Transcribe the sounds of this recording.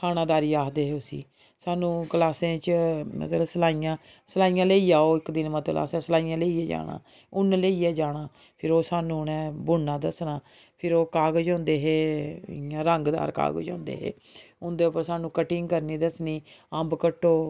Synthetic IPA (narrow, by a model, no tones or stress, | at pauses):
kʰaːnãːd̪aːɾiːaːkd̪eːɦeːʊsḭː | saːnũːkəlaːsẽːt͡ʃmə̰t̪lsəlaːijãː | səlaːiːãːleiːaːoːɪkd̪ɪnmət̪la̰ːsɛ̃ːsəlaːiːjãːleːiːɛːd͡ʒa̰ːɽa̰ː | ʊnleːiːɛːd͡ʒaːnaː | pʰɪɾoːsaːnũːnɛ̃ːbʊnːãːd̪əsnãː | pʰɪɾoːkaːɡəd͡ʒõːnd̪eːɦḛː | ãːɾəŋɡd̪a̰ːɾka̰ːɡə̰d͡ʒõːnd̪ḛːɦḛː | ʊnd̪eːʊpəɾsaːnũːkəʈɪŋɡkəɾniːd̪əsniːəmbkəʈːoː